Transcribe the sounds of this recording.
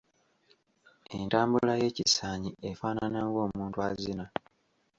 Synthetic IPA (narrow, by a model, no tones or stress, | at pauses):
e̞ntaːmbulaje̞ːcisaːɲiʔefaːnanaŋɡo̞ːmuːntuazina